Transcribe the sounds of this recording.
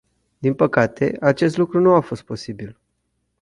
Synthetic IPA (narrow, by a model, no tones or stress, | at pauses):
d̪inpəkat̪ʰe̞̰at͡ʃe̞s̬t̪lukɾunuafo̞st̪̚po̞sibil